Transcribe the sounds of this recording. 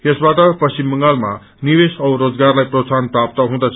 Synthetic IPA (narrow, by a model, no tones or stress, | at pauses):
jʌsbaʈəpəst͡ɕimbəŋɡalma̰ | niʋesʌwɾod͡zɡaɾlajpɾosanpɾap̚t̪əɦũd̪at͡sʰ